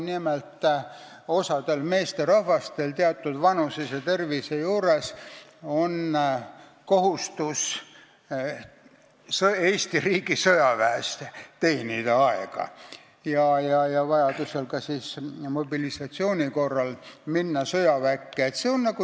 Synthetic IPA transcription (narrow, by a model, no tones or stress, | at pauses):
nimelt̪ː | o̞sɑd̪e̞lme̞ːst̪eɾɑhvɑst̪e̞lt̪eɑt̪ːˑud̪̥vɑnusiset̪e̞rvisejuːɾe̞so̞n | ko̞ɦust̪us | seːsʲt̪iriːɡisojɑvæest̪t̪eːnid̪̥ɑɑeɡ̥ɑ̰ | jɑjɑjɑvɑjɑd̪use̞lkɑsismo̞bilisɑt̪sio̞ːnʲiko̞rːɑlminːɑsɤjɑvækːeːt̪seonnɑku